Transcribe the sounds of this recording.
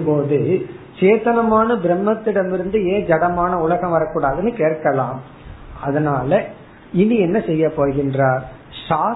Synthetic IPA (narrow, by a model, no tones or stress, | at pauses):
poːðɯ | t͡ʃeːt̪ɐnɐmaːnɐbɪɾɛmːɐt̪ːɪɽɐmɪɾɯnd̪ɯeːd͡ʒɐɽɐmaːnɐʊɭɐɣɐ̃mʋɐɾɐkːuːɽaːðɯnːɯkeːrkɐlãːm | ɐðɐnaːlɐ | ɪnːiɛnːɐsɛjːɐpːoːɾɣɪndraːɾ | ʂaː